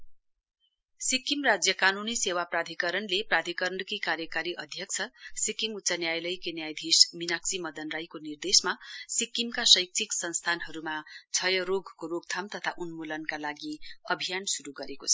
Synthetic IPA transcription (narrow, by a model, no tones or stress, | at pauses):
sikːimrad͡zjʌkanunisewaprad̪ʱikʌɾʌnleprad̪ʱikʌɾɳʌkikaɾjʌkaɾiʔʌd̪ʱjʌk̚t͡sʰʌsikiŋut̪ːsʌnjajlʌjkenjajd̪ʱisminaksimʌd̪ʌnrajkonird̪esmasikːimkasʌjk̚t͡sʰiksʌnst̪ʰanɦʌɾumat͡sʰʌjʌɾoɡʱkoroɡ̚t̪ʰamt̪ʌt̪ʰaʔunmulʌnkalaɡiʌbʱijansuɾuɡʌɾekot͡sʰʌ̥